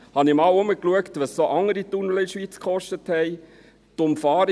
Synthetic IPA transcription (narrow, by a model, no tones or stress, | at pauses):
hɑnimɑːwʊməkluəktʋɑssoʔɑŋːəɾitunlɪʃʋiːt͡skχɔʃtəthɛj | tʊmfɑːɾ